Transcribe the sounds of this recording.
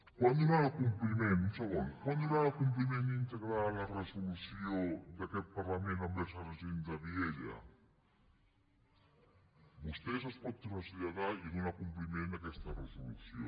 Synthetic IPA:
kwand̪uɾaɣakumplimẽnsoonkwand̪uɾaɣakump̬limẽnd̪int̪eɣɾalaresolusjod̪aket̪̚paɾlamẽnambesarezend̪aβjeʎa̰ | bust̪es̬aspɔt̪ːunasiʎaðainunakumplimẽnd̪akest̪aresolṵsjo̰

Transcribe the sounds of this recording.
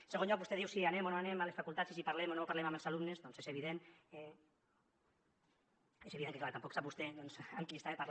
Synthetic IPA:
seɣonʎɔk̚βust̪ɛðiwsianemonoanemalesfakulˠt̪asisipaɾlɛmonopaɾlɛmaməlˠsalumnezðɔnsezeβ̞iðenɛ | ezeβiðeŋkeklaɾt̪ampɔksaβust̪ed̪ðɔnsamkist̪aepaɾl

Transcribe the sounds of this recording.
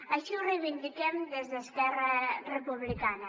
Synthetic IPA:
ɐʃiuriβind̪ikemd̪ezðeskɛrɐrepuβlikanɐ

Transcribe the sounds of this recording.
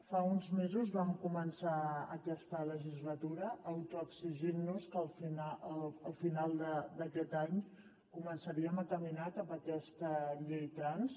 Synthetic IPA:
faunzmezuzβamkumənsaə̰kɛst̪ələʒizlət̪uɾəːwt̪uəksiʒinːuskəlˠfinaːlˠfinalˠd̪əd̪əkɛt̪aɲ | kumənsəɾiəmət̪əminat̪əmbəkɛst̪əʎejt̪ɾans

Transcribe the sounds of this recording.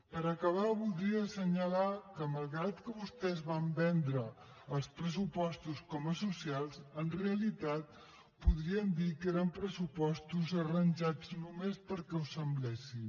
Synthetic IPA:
pəɾəkəβ̞aβulˠd̪ɾiəsəɲəlakəməlˠɣɾat̪kəβust̪ɛzβambɛnd̪ɾəː | lˠspɾəs̬upɔst̪uskɔməsusialˠzənreəlit̪at̪̚ | puðɾiənd̪ikeɾəmpɾəsupɔst̪uzərənʲʒad͡znumespəɾkɛwsəmblɛsi

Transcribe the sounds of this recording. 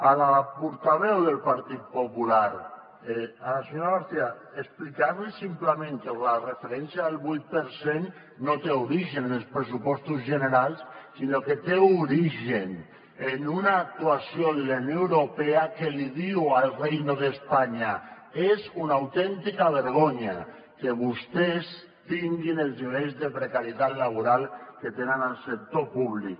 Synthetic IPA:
alapuɾt̪aβɛwðelpaɾt̪it̪̚populaɾ | ealaseɲoɾaβaɾθia | esplikaɾlisimplemẽŋkelarefeɾɛnsjaelˠβujt̪̚peɾsenː | ot̪euɾiʒennelˠspɾes̬upɔst̪uzʒeneɾalˠsːinoket̪euɾiʒen | enunaːk̚t̪uasjoðelanjoewɾopeakeliðiwalˠrejnoðespaɲa | ezunawt̪ɛnt̪ikaβeɾɣoɲa̰ | keβust̪es | t̪iŋɡinelˠzniβ̞ejzðepɾekaɾjet̪at̪laβ̞uɾalˠket̪enenalˠsek̚t̪opuβlik

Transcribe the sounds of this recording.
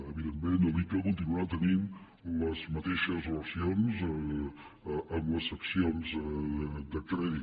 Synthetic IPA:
əβiðemːẽnəlikəkunt̪̬inuat̪ənin | ləzmət̪eʃəzləsionz | ʔəmləsəksionzəd̪əkɾɛði

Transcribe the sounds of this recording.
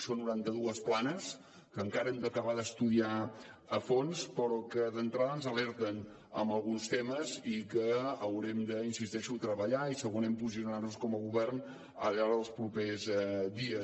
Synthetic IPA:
sonːuɾant̪əðuəsplanəs | kəŋkaɾəɛmd̪əkəβaðəst̪uðiaəfonspəɾɔkəðənt̪ɾaðənzəlɛɾt̪ən | ə̰mbəlˠɣunst̪eməzikəːwɾɛmd̪əinsist̪ɛʃut̪ɾəβəʎaisəɣunɛmpuz̬iunarnuskɔməɣuβɛrn | ə̰ʎaɾðəlˠspɾupezd̪iə

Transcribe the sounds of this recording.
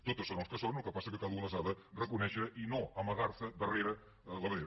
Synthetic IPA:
t̪ot̪əsonolˠskəsonulˠkəpasəkəkaðəunəsaðərəkunɛʃəʔinoəməɣaɾsəd̪əreɾə | ələβəðeɾ

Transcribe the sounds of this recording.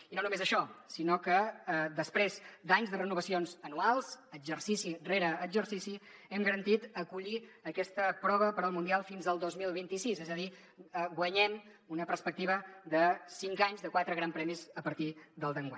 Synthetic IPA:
inonumezəʃɔsinokəd̪əspɾezd̪aɲzðərənuβ̞əsionzənualˠz̥əɡd͡ʒəɾsisireɾəːzəɾsisiɛmɡəɾənt̪it̪əkuʎiəkɛst̪əpɾɔβəpəɾəlˠmund̪ialˠfinzəlˠd̪ozmilˠβint̪isizɛzəði | ɡwəɲɛm | unəpərspək̚t̪iβəd̪əsiŋkaɲzðəkwat̪ɾəɣɾampɾɛmizəpəɾt̪id̪əlˠd̪əŋɡwa̰ɲ

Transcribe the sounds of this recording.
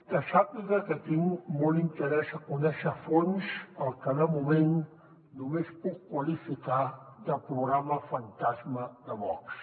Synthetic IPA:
t̪aʃapɪkakat̪ɪŋmolint̪eɾesakʊnaʃafonʃalkanamʊβen | nʊmespukkwalifikad̪apɾoɣɾamafant̪asmad̪aβɔks

